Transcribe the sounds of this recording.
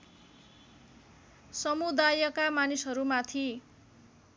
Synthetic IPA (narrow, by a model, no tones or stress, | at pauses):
sʌmud̪ajʌkamanisɦʌɾumat̪ʰi